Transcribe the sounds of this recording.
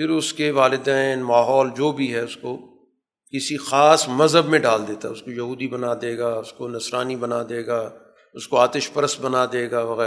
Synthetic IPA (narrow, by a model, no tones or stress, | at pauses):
pɪɾʊskeʋaːlɪd̪ɛːnmaːɦɔːld͡ʒoːbʱiɦɛʊsko | kɪsixaːsmɐzɦəbmẽɖaːld̪eːt̪aɛʊskojɐɦuːd̪ibɐnad̪eːɡaːʊskonɐsɾaːnibɐnad̪eːɡaː | ʊskoaːt̪ɪʃbɐɾəst̪̚bɐnad̪eːɡaːʋɐɣɛː